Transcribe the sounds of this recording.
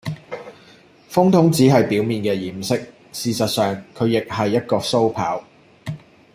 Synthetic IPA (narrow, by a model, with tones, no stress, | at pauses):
fʊ˥ŋt̪ʰʊ˨˥ŋt͡siː˨˥ɦɐ˨jpiː˨˥wmiː˨nkɛː˧jiː˨˩msɪ˥k̚ | siː˨sɐ˨t̚sœː˨ŋkʰɵ˨˧ɥjɪ˨k̚hɐ˨jːɐ˥t̚kɔː˧so˥wpʰa̰ː˨˥w